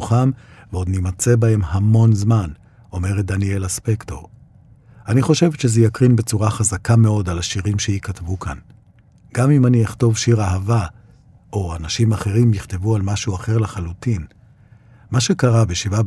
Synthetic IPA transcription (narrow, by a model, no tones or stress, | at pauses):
uχamveo̞d̪nimat͡sebae̞mhamo̞nzman | o̞me̞ʁet̚d̪anie̞laspekto̞̰ʁ | aniχo̞ʃe̞veʃezejakʁinbe̞t͡suʁaχazakame̞o̞dalaʃiʁimʃeikatvukʰa̰n | ɡ̥amimanieχto̞vʃiʁaɦava | ʔo̞anaʃimaχe̞ʁimjiχt̪evualmaʃuaχe̞ʁlaχalutin | maʃe̞kaʁabeʃiva